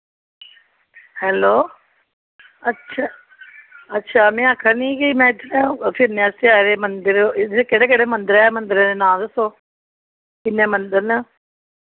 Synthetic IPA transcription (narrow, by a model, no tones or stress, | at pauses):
hɛːloː | ətːʃʰaː | ətːʃʰaːmɛ̃ːəkʰːəɾniːkimɛ̃ːɪt̪ʰːnepʰɪɾnjãseaɾeːmənd̪ɪɾkeɽeːkeɽeːmə̃nd̪ɪɾɛːmə̃nd̪ɪɾeenãːd̪əsoː | kɪnːẽːmənd̪əɾnə